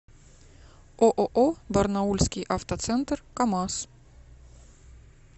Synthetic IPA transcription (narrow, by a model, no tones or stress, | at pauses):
ʔoʔoʔoːbɑɾnɑulskiʔɑft̪ɑsɛnt̪əɾkɑmɑs